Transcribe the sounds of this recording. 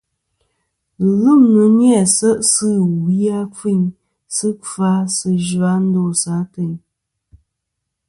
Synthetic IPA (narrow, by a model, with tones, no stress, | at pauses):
lɨ˦˨mnɨ˨ɲjɛ˦˨sə˦ʔsɨ˦˨wi˦a˦fi˦˨ɲ | sɨ˦fa˦sɨ˦ʒa˨˦n̩˦do˦˨sa˨˦te˨ɲ